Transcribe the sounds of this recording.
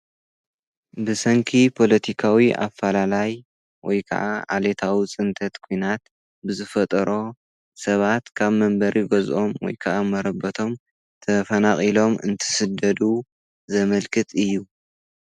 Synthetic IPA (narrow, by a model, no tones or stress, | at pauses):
bɨsɐŋkʰipʰo̞lɐt̪ʰikʰawiʔa̰fːalalaj | wɔjkʰɐ̰ʔaʔa̰let̪ʰawit͡sʼɨnt̪ʰɐt̪kʰujnat̪ | bɨzɨfɐt̪ʼɾo̞ | sɐβat̪kʰaβmɐmbɐɾʔiɡozʔo̞mwɔ̰jkʰɐʔamɐɾɐbɐt̪ʰo̞m | t̪ʰɐfɐnaχʼilo̞mɨ̰nt̪ʰɨ̥sɨd̪ɐd̪u | zɐmɐlkʰɨt̪ʼɨjːu